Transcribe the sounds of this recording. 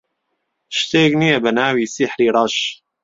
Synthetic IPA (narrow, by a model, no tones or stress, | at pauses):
ʃt̪eːknijebənaːwiːsiħɾiːɾɑʃ